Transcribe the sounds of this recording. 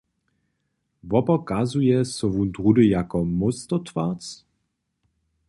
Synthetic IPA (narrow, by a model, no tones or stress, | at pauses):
vɔpɐkazujɛsɔvunt̪ʁudəjakɔmʊstɔtv̥at͡s